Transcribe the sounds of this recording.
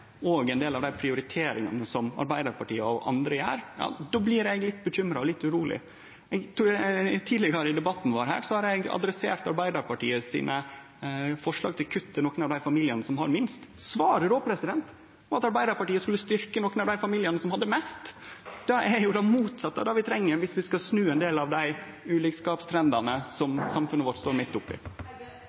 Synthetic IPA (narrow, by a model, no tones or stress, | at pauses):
oːɡɛɪnd̪eːlɑʋd̪æɪpʰɾɪʊɾɪt̪ʰeːɾɪŋɑ̰nəsɔmɑ̰ɾbæɪd̪əɾpʰɑʈḭːəɔ̰ʔɑ̰nd̪ɾəjæ̰ːɾjɑ̰ːd̪oːblɪɾɛɡlɪt̪ːbəçʏmɾɑɔlɪt̪ːʉɾuːlɪ̰ | ɛɡt̪ut̪ʰiːd̪lɪɡɑɾəɪd̪ɛbɑt̪ːn̩ʋɑɾɦæ̰ːɾsɔhɑɾɛɡɑ̰d̪ɾɛsḛːɾt̪ɑɾbæɪd̪ɑɾpʰɑʈḭːəsḭːnʔə | fɔʂɭɑ̰ːɡ̚t̪ʰɪlkʰʉt̪ʰːənoːkənɑʋd̪æɪfɑmiːlɪənəsɔmhɑ̰ɾmɪnst̪sʋɑːɾəɾoːpʰɾɛsɪd̪ɛnt̪ | ɔɑt̪ɑɾbæɪd̪ɑɾpɑʈiːəskʉlːəst̪ʏɾkənoːkːənɑʋd̪æɪfɑmiːlɪənəsɔmhɑd̪ːəmɛst̪d̪̥ɑæɾjʊd̪ɑmuːt̪sɑt̪ːə̰d̪ɑʋɪt̪ʰɾɛŋːəɾʋɪsʋɪskɑsnʉːɛnd̪eːlɑʋd̪æɪ | ʉːlɪkskɑːpst̪ʰɾɛnd̪ɑnəsɔmsɑmfʉnːəʋɔʈst̪oːɾmɪt̪ːʊpːɪ̰